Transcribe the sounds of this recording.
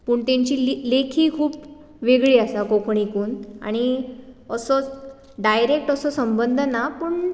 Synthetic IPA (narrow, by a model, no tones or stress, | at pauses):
puːɳt̪ẽɲt͡ɕiːlekʰiːkʰuːp | ʋeɡɭiasakokɳ̃ikuːna̰ɽ̃iəsɔ | ɖajɾek̚ʈəsɔsəmbənd̪ʱnapəːɳ